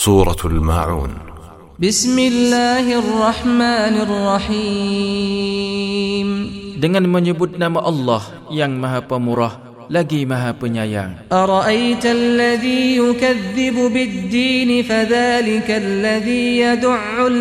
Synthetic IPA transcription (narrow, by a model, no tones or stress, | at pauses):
suːɾˤɑ̰lma̰ːʕṵːn | bɪsmɪlːaːhɪrˤːɑħmaːnɪrˤːɑħiː | mdəŋanməɲəbʊt̪̚namaʔɑlːɑh | jaŋmaɦapəmuɾah | laɡimaɦapəɲaja̰ŋʔɑɾˤɑʔajt̪lːaðiːjʊkaðːɪbʊbɪd̪ːiːnɪfaðaːlɪkalːaðiːjad̪ʊʕːʊ